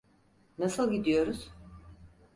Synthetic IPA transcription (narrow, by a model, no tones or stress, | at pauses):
nasɯlˠɟid̪ijo̞ɾuz̥